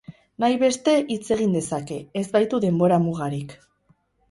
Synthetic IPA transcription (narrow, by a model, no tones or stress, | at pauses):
najβe̞st̪e̞ʔit͡se̞ɣind̪e̞sake̞ːzbajt̪uðe̞mbo̞ɾamuɣaɾik